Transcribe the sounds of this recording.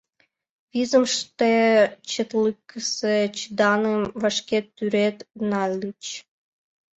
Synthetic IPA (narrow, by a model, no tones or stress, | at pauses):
vʲizə̆mʂt̪et͡ɕet̪lˠɨkːəset͡ɕid̪ɑnɨmvɑʂkʲet̪ːyɾet̪nɑlʲːit͡ɕ